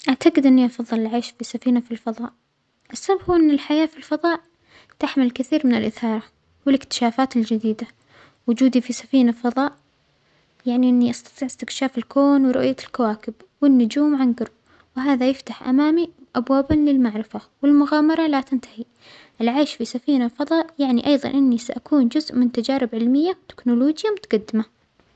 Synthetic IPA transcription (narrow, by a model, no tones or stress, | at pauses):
ʔaʕt̪aɡɪd̪ʔɪnːiʔɑfɑðˤːɨlɪlʕaːʃfisafiːnafilfɑðˤɑːʔ | ʔɪsːabhuːʔɪnːɪlħajaːfilfɑðˤɑːʔ | t̪aħmɪlkɪθiːɾmɪnɪlʔɪθɑːɾˤɑ | wɪlɪkt̪ɪ̥ʃaːfaːt̪ɪld͡ʒɪd̪iːd̪a | wʊd͡ʒuːd̪ifisafiːnafɑðˤɑːʔ | jaʕniʔɪnːiʔɑst̪ɑ̥t̪ˤiːʕʔɪst̪ɪkʃaːfɪlkoːnwɾˤʊ̰ʔjalkawaːkɪb | wɪnːʊd͡ʒuːmʕanɡʊɾ | wɪɦaːðajɪft̪aħʔa̰maːmiʔabwaːbanlɪlmaʕɾɪfawɪlmʊɣaːmɑɾˤɑlat̪ɪnt̪ḁhi | ʔɪlʕaːʃfisafiːnafɑðˤɑːʔjaʕniʔɑjðˤɑ̰nʔɪnːisaʔakuːnd͡ʒʊzʔmɪnt̪ad͡ʒaːɾɪbʕɪlmɪjːawt̪ɪ̥knʊloːd͡ʒjamʊt̪ḁɡɑd̪ːɪma